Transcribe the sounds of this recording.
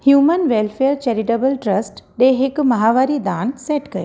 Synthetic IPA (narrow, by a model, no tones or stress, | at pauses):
hjumənʋelfejəɾt͡ʃɛɾiʈəbəlʈɾəsʈɖeɦɪkmɐɦaʋaɾid̪anseʈkəje